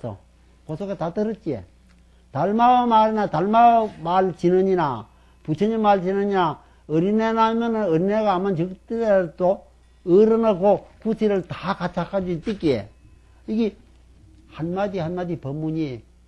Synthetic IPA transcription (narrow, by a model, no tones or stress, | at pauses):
sʰo̰ | kosʰoɡatatɯɾɯt͡ɕ͈iḛ | taɭmamaɾinataɭmamaɭt͡ɕinɯɲina | put͡ɕʰʌɲemaɭt͡ɕinɯɲina | ɯɾinenamjʌnɯnɯɾineɡaːmːant͡ɕɯk̚tɯɾed̪o | ɯɾɯnakokusʰiɾɯɭtakat͡ɕʰakʰad͡ʑit͈ik͈iḛ | iɡi | hanmad̪ihanmadipʌmːuɲi